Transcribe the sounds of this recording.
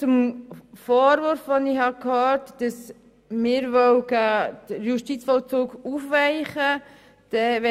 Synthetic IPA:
t͡sʊmfɔːɾʋøɾfʋɔnɪhɑkhøːɾtd̥ɑs | mɪːɾvœwɡəd̥əɾjuʃtit͡sfɔlt͡suːɡufʋæɪχə | d̥ɛʋɛ

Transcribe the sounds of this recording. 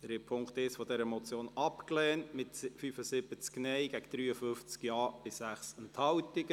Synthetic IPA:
əɾɪpʰʊŋkt̪ɪsfɔd̥ɛɾəmɔt͡sjoːnɑpklɛːntmɪtfyfəsɪbət͡sknɛɪɡæɡ̥əd̥̪ɾyːəfʏft͡skjɑːb̥ɪssæχsɛnthɑwtɪɡ̥

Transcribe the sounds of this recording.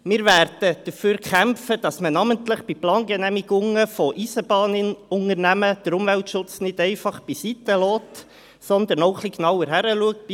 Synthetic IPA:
mɪːɾvæɾd̥əd̥əɾføːɾkχæmfəd̥ɑsmənɑməntlɪχb̥iplɑːnɡɛnæmiɡʊŋəfɔʔisəbɑːnənʊŋəɾnæməd̥əɾʊmvæltʃʊt͡snɪdɛɪfɑχb̥isit̪əlɔːt | sɔnd̪əɾnɔʊχliknɑwəɾɦæɾəluək̚t̚

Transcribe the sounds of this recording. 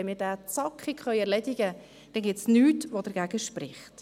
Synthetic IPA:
ɛnmɪːɾdæːt͡sɑkχikχœʏɛɾlɛdɪɡə | d̥ɛnɡɪtsnyːtʋod̥əɾɡæɡ̥əʃprɪχt

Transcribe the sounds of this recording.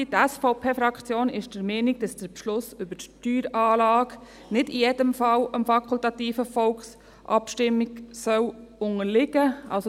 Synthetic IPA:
itæsfɔʊpʰeːfɾɑkχt͡sjoːnɪʃd̥əɾmɛːniɡ̚d̥ɑsd̥əɾpʃlʊsʏbəttyːɾɑːlɑːk | nɪdijɛdəmfɑləmfɑkʰult̪ɑtiːfəfɔlks | ʔɑ̰pʃtɪmːiksœwʊŋəɾlɪɡəʔɑ̰ls

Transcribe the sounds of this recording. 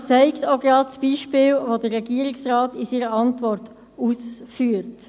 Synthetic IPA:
t͡sɛɪktoɡɾɑːdsb̥iːʃpɪːlvodəːɛɡiəɾɪksrɑːtisiːɾəɑntʋɔrt | uːsfyːɾt

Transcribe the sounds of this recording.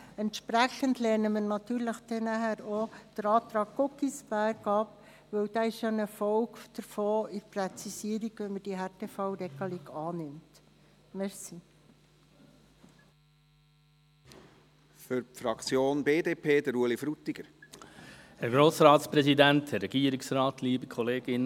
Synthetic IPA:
ɛnt̪ʃpɾæχəndlɛːɾnəməɾnɑt̪yːɾləχd̥ɛnæhæɾod̥əɾɑːt̪ɾɑːk̚ːɔkisb̥æɾɡɑp | ʋɵwd̥̪aɪʃonɛɾfɔwɡd̥əɾfoːɪɾprɛt͡sisiəɾiɡʋɛnməd̥iɦɛɾteːfɑwɾɛɡəliɡɑːnɪmt | mɛɾsi | fyɾpfɾɑkt͡sjoːnbeːd̪eːpʰeːd̪əɾuəlifɾut̪ːiɡ̥əɾ | hɛɾɡɾoːsɾɑːtspɾɛsidænthɛrːɛɡ̥iːəɾiksɾɑːtliːbəkʰɔleːɡ̥ɪn

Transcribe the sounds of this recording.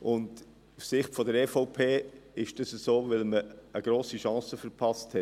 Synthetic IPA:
ʔʊnd | ussɪχtfɔdəɾɛfɔʊpʰeːɪʃd̥əsəsoːvɪlməːɡ̥ɾoːsiʃɑ̃ːsəfəɾpʰɑsthɛt

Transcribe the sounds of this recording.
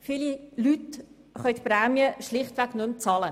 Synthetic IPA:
fililyt | χœʏtpɾɛːmjəʃlɪχtʋɛɡnʊmt͡sɑːlə

